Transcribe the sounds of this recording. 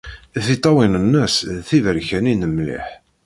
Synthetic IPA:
θit̪ˤːɑwinənːəsθivəɾçæninəmlḭħ

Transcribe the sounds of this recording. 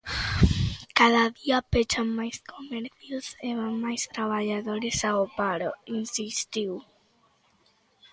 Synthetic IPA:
kaðaðiapet͡ʃamːajskʰo̞meɾθjusemamːajst̪ɾaβaʎaðo̞ɾesaopaɾoinsist̪iw

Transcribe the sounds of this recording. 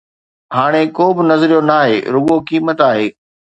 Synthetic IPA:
haːɽ̃ekoːbɪnɐzɾijonaːɦḛːɾʊɠokiːmət̪aːɦeː

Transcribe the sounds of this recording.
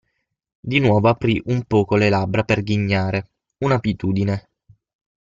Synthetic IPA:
d̪inwɔːvoapɾiʔumpɔːkolelabɾaperɡiɲːaːɾe | unabit̪uːd̪ine

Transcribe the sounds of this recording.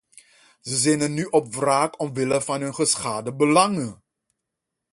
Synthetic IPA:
zəzɛjnənyʔɔpvraːkɔmʋɪləvɑnɦɵnχəsχaːdəbəlɑŋə

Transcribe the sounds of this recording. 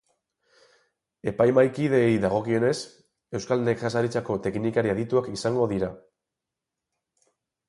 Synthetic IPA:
e̞pajmajkiðe̞ːjðaɣ̞o̞kio̞ne̞s | e̞wskalekʝasaɾit͡sako̞t̪e̞knikaɾiaðit̪uakisaŋɡo̞ðiɾa

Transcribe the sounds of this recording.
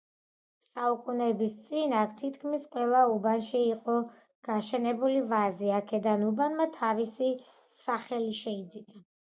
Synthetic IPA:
saukʼunɛbist̪sʼinakʰt̪ʰit̪ʰkʰmisqʼwɛlˠaubanʃiːqʼɔ | ɡ̥aʃɛnɛbulivaziakʰɛd̪anubanmat̪ʰavisi | saχɛliʃɛid̪zina

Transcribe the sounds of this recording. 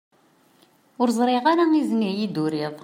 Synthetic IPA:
ʊɾzˤɾˤeʁaɾaŋiznijid̪uɾiðˤ

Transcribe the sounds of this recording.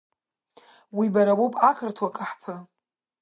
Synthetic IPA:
wibaɾawowpʼakʰɨrtʰwakʼaħpʰɨ

